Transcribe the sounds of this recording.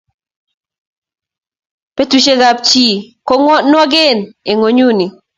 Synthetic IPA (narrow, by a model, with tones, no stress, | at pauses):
pe˦tu˨ʃe˦ɡa˨p̚t͡ʃi˦kɔ˦ŋɔ˦nwɔ˦ɡɪ˦˨ne˨ŋo˨˦ɲu˦ni˨